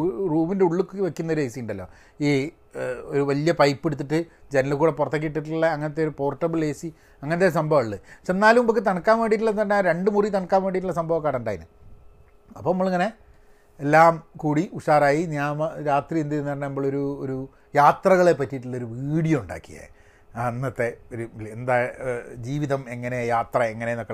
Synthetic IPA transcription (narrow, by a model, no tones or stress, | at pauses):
ruːminde̞uɭːukːɨʋekʲːunːɐo̞ɾuejsijiɳɖɐlːo̰ː | iː | oɾuʋɐlijɐpɐjpːeɽut̪ːiʈːɨd͡ʑenɐlukuːɽe̞pːurɐt̪ːɐk̬ʲːiʈ̬ːiʈːuɭːɐɐŋːɐnɐt̪ːeoɾupo̞ːrʈːɐbɨleːsi | ɐŋːɐnɐt̪̬ːesɐmbʱɐʋɐɭːɨɐpʂenːaːlumpɐkːɨt̪ɐɳɐkːaːnʋeːɳɽiʈ̬ːulːɐnːɐnːaɾe̞ɳɖɨmurit̪ɐɳɐkːaːmʋeːɽiʈ̬ːuɭːɐsɐmbʱɐʋɐkːaːɽɐuɳɖaːjinɨ̰ | ɐpːɐmːɐɭŋːɐne̞ | elːaːmkuːɽiuʂaːraːjinjaːmɐɾaːt̪riend̪ienːɐrnɐnɐmːoɭoɾuoɾu | jaːt̪rɐɣɐɭe̞pːɐtːiʈːuɭːɐoɾuʋiːɽijɐuɳɖa̰ːkːija̰ | anːɐt̪ːe̞oɾuend̪aːd͡ʑiːʋiðɐme̞ŋːɐnejaːt̪rɐeŋːɐnenokːe